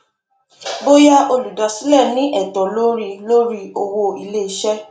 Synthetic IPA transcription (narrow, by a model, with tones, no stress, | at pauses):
bo˦ja˦ʔo˧lu˨da˨si˦lɛ˦˨nĩ˦ʔɛ˦˨tɔ˨lo˦ɾi˧lo˦ɾi˦o˧wo˧i˧le˦i˧˦ʃɛ˦